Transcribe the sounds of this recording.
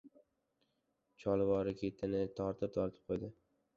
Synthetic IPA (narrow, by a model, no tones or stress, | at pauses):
t͡ʃʰɒlˠvɒɾɪkʲʰe̞t̪ʰɪnɪt̪ʰɒɾt̪ʰɪp̚t̪ʰɒɾt̪ʰɪ̥p̚qʰojd̪ɪ